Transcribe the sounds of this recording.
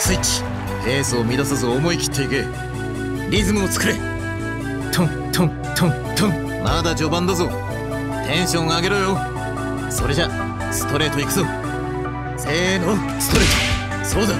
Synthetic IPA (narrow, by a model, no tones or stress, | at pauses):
sɨit͡ɕi̥ | eːsoːmʲid̪asazɨomo̞ikʲi̥t̪ʰːe̞ike | ɾʲizɨmɯot͡sɨ̥kɯ̟ɾe̞ | t̪ʰõ | t̪ʰõŋ | t̪ʰõ | t̪ʰõŋ | mad̪ad͡ʑo̞bãnd̪azo | t̪ʰẽ̞ɰ̃ɕõ̞ŋaːɡe̞ɾojo | so̞ɾe̞d͡ʑa | sɨ̥t̪o̞ɾe̞ːt̪o̞ikɯ̟zo̞ | se̞ːnoː | sɨ̥t̪o̞ɾe̞ːt̪o | so̞ːd̪a